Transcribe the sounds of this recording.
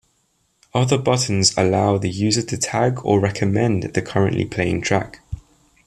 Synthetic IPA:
ʌðəbʌʔn̩zə̰laʊðəjʉːzətʰətʰaɡə̰ɹɛkʰəmɛ̃nðəkʰʌɹə̃nʔlʔḭpʰl̥eɪɪ̃ŋtʰɹ̥a̰k

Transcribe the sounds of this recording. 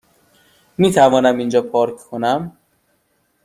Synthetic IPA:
miːt̪ʰævɒːnæmind͡ʒɒːpʰɒːɾkʰkʰonæm

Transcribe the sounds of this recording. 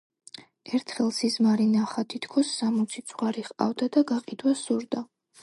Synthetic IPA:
ɛɾt̪ʰχɛlˠsizmaɾinaχat̪ʰit̪ʰkʰɔsːamɔt̪sʰit̪sʼwaɾiχqʼa̰vd̪ad̪aɡaqʼid̪wasuɾd̪a

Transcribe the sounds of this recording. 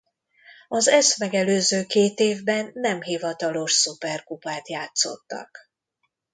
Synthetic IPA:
ɒzɛsmɛɡɛløːzøːkeːt̪eːvbɛnːɛmɦivɒt̪ɒlo̞ʃsupɛrkupaːt̪jaːt̪so̞̰t̪ːɒ̰k

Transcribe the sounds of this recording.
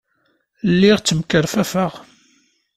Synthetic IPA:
lːiʁt͡sːəmkəɾfæfəʁ

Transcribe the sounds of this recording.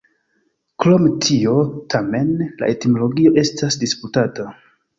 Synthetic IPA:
klo̞mtʰio̞tʰame̞nla̰ʔe̞timo̞lo̞ɡio̞ʔe̞stʰasdisputata

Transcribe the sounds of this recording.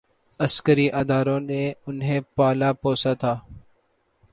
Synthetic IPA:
əskəɾiːʔaːd̪aːɾõːnẽːʊnɦẽːpaːlaːpoːsaːt̪ʰaː

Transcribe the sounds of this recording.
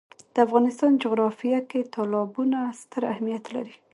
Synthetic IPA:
d̪̥əafɣɑnɪst̪ɑnd͡ʒʊɣɾɑfijaket̪ʰɑlɑbunast̪əɾahmijat̪la̰ɾi

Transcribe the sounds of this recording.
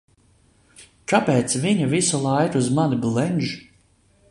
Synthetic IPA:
kapeːt̪sviɲavisulˠajɾuzmaniblˠɛnʒu

